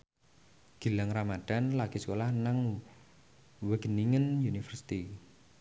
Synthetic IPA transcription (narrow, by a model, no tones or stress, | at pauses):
ɡ̥i̤laŋramad̪̥a̤nlaɡ̥i̤sə̥kolahnaŋ | wəɡ̥əniŋənjunifərsi̥t̪i